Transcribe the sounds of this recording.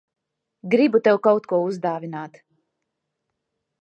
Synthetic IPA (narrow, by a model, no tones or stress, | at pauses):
ɡɾibut̪ɛwkawt̪kuɔuzd̪aːvʲinaːt̪